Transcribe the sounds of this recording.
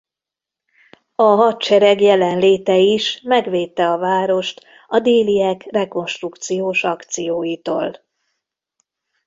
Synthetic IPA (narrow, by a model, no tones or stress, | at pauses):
ɒɦɒt̪t͡ʃɛɾɛɡjɛlɛnleːt̪ɛiʃmɛɡʋeːt̪ːɛɒvaːɾo̞ʃt̪ | ɒd̪eːlijɛkrɛko̞nʃt̪rukt̪sijoːʃɒkt̪sijoːjit̪o̰ːl